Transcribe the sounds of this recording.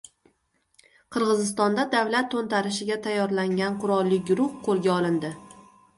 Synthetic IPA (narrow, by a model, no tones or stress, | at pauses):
qʰɨɾʁɨzɪs̬t̪ɒnd̪ad̪avlat̪ʰːont̪aɾɪʃɪɡʲat̪ʰajːɒɾlaŋɡʲanqʰʊɾɒlˠːɪɡʊɾʊhqʰoɾɡʲaɒlˠɪnd̪ɪ